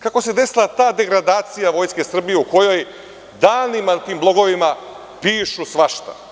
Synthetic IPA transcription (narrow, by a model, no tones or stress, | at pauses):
kako̞se̞d̪e̞silˠat̪aːd̪e̞ɡɾad̪aːt̪sijaʋo̞ːjske̞sr̩bije̞uko̞jo̞j | d̪aːnimat̪iːmblˠo̞ɡo̞ʋima | piːʃusʋaʃt̪a̰